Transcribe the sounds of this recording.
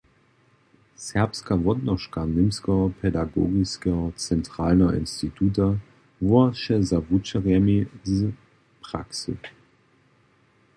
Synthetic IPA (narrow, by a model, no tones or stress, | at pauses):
sɛɐpskavɔtnɔʃkanɪmskɐpʰɛdaɡo̰ːɡiskət͡sɛntʁ̥aːlnɐʔɪ̰nstitʰuːta | vuɐʃɛzavut͡ʃəʁɛmizə | pʁ̥a̰ksə̰